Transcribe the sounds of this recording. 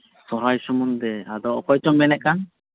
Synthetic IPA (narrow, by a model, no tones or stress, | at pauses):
sɔɾajsɔmɔnd̪ɛad̪ɔɔkɔjt͡ʃɔmbɛnɛʔ̚kan